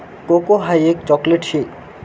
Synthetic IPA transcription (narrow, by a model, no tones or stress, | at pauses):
kokoɦajek̚t͡ɕɔkleʈʃi